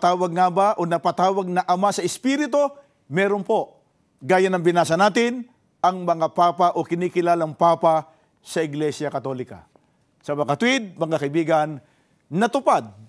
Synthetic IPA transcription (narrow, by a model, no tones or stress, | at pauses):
t̪aːwɐɡ̚ŋabaʔonɐpat̪aːwɐɡ̚nɐʔɐmasɐɪspiɾɪt̪o̞ | mɛːɾonpo̞ʔ | ɡaːjɐnɐŋbɪnaːsɐnaːt̪ɪn | ɐŋmɐŋapaːpaʔokɪniːkɪlaːlɐŋpaːpa | sɐʔɪɡlɛsjɐkɐt̪olɪka̰ | sɐmɐŋɐt̪wɪd̪̚mɐŋakɐɪbiːɡɐnː | ɐt̪ʊpad̪̚